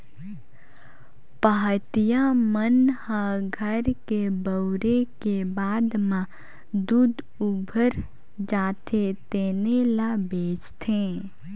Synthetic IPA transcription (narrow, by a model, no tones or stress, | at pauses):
paɦət̪ijamənhãɡʱəɾkebəʊɾekebaːd̪mã | d̪uːd̪ | ubʱəɾ | d͡ʒaːt̪ʰet̪eːnelabeːt͡ʃt̪ʰẽː